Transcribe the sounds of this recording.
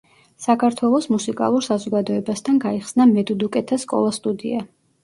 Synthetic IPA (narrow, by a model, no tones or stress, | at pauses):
sakʰaɾt̪ʰwɛlˠɔsmusikʼa̰lˠuɾsazɔɡad̪ɔɛbast̪ʰanɡaiχsnamɛd̪ud̪ukʼɛt̪ʰaskʼɔ̰lˠast̪ʼud̪ḭa